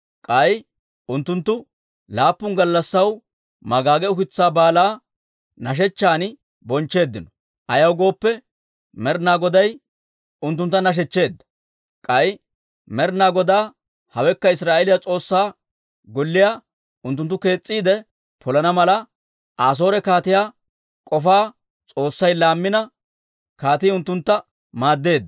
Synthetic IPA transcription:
kʼɐj | ʊnt̪ːʊnt̪ːʊ | laːpːʊnɡɐlːɐsːɐw | mɐɡaːɡɛʊkɪt͡sːaːbaːlaː | nɐʃ̬ɛt͡ʃːaːn | bɔnt͡ʃːe̞ːd̪ːɪnɔ | ʔɐjɐwɡo̞ːpːɛ | mɛɾnaːɡɔd̪ɐj | ʊnt̪̬ːʊnt̪ːɐnɐʃ̬ɛt͡ʃːe̞ːd̪ːɐ̥ | kʼɐj | mɛɾnaːɡɔd̪aː | hɐwɛkːɐɪsɾaːʔɛlɪjat͡sʼo̞ːsːaː | ɡɔlːɪjaː | ʊnt̪ːʊnt̪ːʊke̞ːt͡sʼːiːd̪ɛ | pʰɔlɐnɐmɐlɐ | ʔaːs̬o̞ːɾɛkaːt̪ɪjaː | kʼɔfaː | t͡sʼo̞ːsːɐjlaːmːɪnɐ | kaːt̪ɪːʊnt̪ːʊnt̪ːɐ | maːd̪ːe̞ːd̪ːɐ

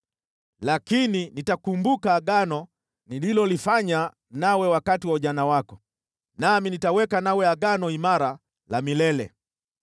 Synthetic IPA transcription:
lakininitakumbukaːɠanɔ | nililɔlifaɲa | nawɛwakatiwauʄanawakɔ | naminitawɛkanawɛaɠanɔimaɾa | lamilɛlɛ

